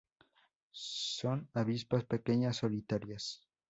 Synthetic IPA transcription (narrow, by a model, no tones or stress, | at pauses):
sonaβispaspekeɲasːo̞lit̪aɾjas